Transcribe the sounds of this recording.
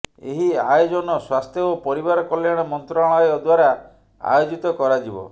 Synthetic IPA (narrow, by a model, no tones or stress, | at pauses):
ḛɦiajod͡ʒɔnɔswast̪ʰjɔopɔɾibaɾɔkɔljaɽ̃ɔmɔnt̪ɾaɭ̃ɔjɔd̪waɾa | a̰jod͡ʒit̪ɔkɔɾad͡ʒibɔ̰